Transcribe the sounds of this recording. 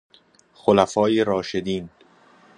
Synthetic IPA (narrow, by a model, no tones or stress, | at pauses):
xolæfɒːjiːɾɒːʃed̪iːn